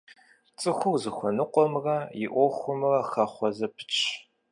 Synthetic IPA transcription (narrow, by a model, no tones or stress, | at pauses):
t͡sʼɨxʷʊwzɨxʷɔnɨqʷʼɔmrɐjɪ̰ʔʷɔxʷʊmɨrɐxɐχʷɔzɐpʰɨ̥t͡ʃʼʰ